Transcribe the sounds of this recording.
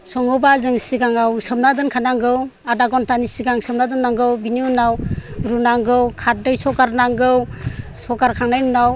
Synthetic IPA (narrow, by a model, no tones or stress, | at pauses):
sɔŋɯbazɯŋsiɡaŋawsɯmnadɯnkʰanaŋɡɯwadaɡɔntanisiɡaŋsɯmnadɯnːaŋɡɯwbiniunawɾunaŋɡɯwkʰat̚dɯjsɔkaɾnaŋɡɯwsɔkaɾkʰaŋnajnunaw